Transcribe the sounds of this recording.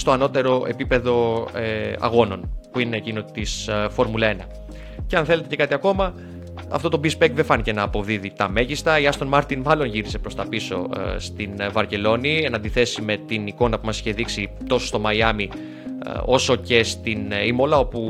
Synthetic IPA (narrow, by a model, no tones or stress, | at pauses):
st̪o̞ɐno̞t̪e̞ɾo̞ʔe̞̰pipe̞ðo̞ | ɐ̰ɣo̞no̞npuineːcinot̪isfo̞ɾmulɐe̞nɐ | ceɐnθe̞le̞t̪ece̞kɐt̪iɐko̞mɐ | ɐ̰ft̪o̞t̪obispek̪̚ðefɐnice̞nɐːpo̞vðiðit̪ɐme̞ʝist̪ɐiɐst̪o̞nmɐɾt̪inmɐlo̞nʝiɾise̞pɾo̞st̪ɐpiso̞̰st̪invɐɾce̞lo̞nie̞nɐnd̪iθe̞sime̞t̪iniko̞nɐpumɐsi̥çe̞ðiksit̪o̞sost̪o̞mɐiɐmi | o̞so̞ce̞st̪inimo̞lɐo̞pu